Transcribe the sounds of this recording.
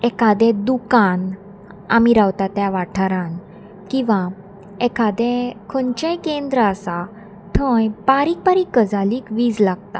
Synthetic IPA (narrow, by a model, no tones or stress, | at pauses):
ɛkad̪ɛ̃d̪ukan | a̰miɾawt̪at̪jaʋaʈʰaɾãn | kĩʋa | ɛkad̪ɛkʰənt͡ɕajkend̪ɾəəsa | t̪ʰə̃jpaɾiːk̚paɾiːkːəd͡zaliːkʋiːd͡zlaɡ̚t̪a̰